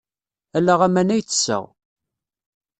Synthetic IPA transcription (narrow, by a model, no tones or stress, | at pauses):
ælːæʁæmænæjt͡sːə̥sːə̰ʁ